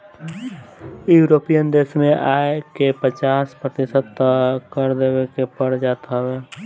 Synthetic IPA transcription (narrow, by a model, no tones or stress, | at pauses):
juːɾoːpijənd̪eːʃmẽʔaːekepət͡ʃaːspɾət̪ɪsəd̪kəɾd̪eːwekepəɽd͡ʒaːt̪ɦweː